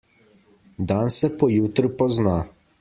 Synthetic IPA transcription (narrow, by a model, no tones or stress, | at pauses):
d̪aːnsɛpɔjuːt̪ɾpɔzna